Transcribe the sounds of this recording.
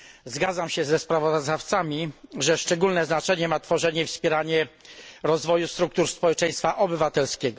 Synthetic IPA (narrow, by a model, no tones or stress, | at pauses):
zɡad̪zamɕɛzɛspɾavɔzd̪aft̪samʲiʐɛʂt͡ʂɛɡulnɛznat͡ʂɛɲɛmat̪fɔʐɛɲɛfspʲɛɾaɲɛɾɔzvɔjust̪ɾuk̚t̪uɾspɔwɛt͡ʂɛj̃st̪faʔɔbɘvat̪ɛlskʲɛɡɔ